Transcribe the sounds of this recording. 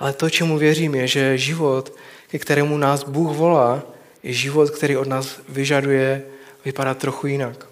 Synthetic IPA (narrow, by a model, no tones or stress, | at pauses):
ʔalɛt̪ot͡ʃɛmuvjɛriːmjɛʒɛʒɪvo̞t̪kɛkt̪ɛɾɛːmunaːzbuːxvo̞laː | jɛʒɪvot̪kt̪ɛɾiːʔo̞dnaːzvɪʒadujɛ | vɪpadat̪ːɾo̞xujɪnak